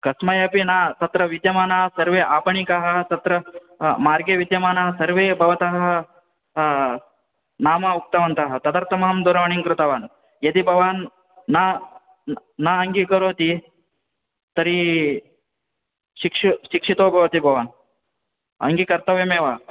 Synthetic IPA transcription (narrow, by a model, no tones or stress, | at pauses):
kɐsmɐjɐpinaːt̪ɐt̪ɾɐʋid̪jɐmaːnaːsɐɾʋeːʔaːpɐɳikɐɦɐ̆t̪ɐt̪ɾɐ | maːɾɡeʋid̪jɐmaːnaːɦɐsɐɾʋeːbʱɐʋɐt̪ɐɦɐɐ̆ | naːmɐuk̚t̪ɐʋɐnt̪ɐɦɐ̆t̪ɐd̪ɐɾt̪ɐmɐɦɐmd̪uɾɐʋɐɳiŋkɾut̪ɐʋaːn | jɐd̪ibʱɐʋaːnː | a | aɐŋɡikɐɾoːt̪i | t̪ɐɾi | ʃikʂuʃikʂit̪oːbʱɐʋɐt̪ibʱɐʋaːn | ɐ̰ŋɡikɐɾt̪ɐʋeːmeːʋaː